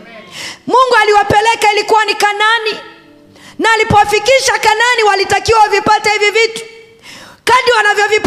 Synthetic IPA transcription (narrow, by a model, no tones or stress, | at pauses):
muŋɡualiwapɛlɛkailikuwanikanani | naːlipɔwafikiʃakananiwalitakiwawuvipatahivivitu̥ | kaɗiwanavjɔvip